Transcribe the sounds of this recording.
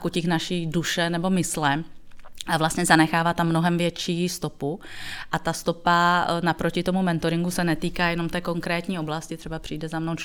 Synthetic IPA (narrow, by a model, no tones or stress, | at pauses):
kucɪxnaʃiːduʃɛnɛbo̞mɪslɛmʔavlast̪ɲɛzanɛxaːvat̪amːnoɦɛmvjɛt͡ʃiːst̪o̞puʔat̪ast̪o̞panapɾo̞cɪt̪o̞mumɛnt̪oɾɪŋɡusɛnɛt̪iːkaːjɛnomt̪ɛːko̞ŋkɾɛːt̪ɲiːo̞blascɪt̪ɛbapr̥iːdɛzamnow